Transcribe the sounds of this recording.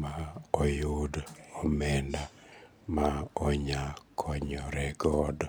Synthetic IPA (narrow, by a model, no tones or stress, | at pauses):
maojudɔmɛnda | maɔɲakʰɔɲɔɾɛɡɔd